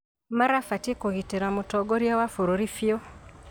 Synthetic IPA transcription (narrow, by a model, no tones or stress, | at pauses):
maɾafatikoɣiteɾamutɔɡoɾjawafuɾoɾifjo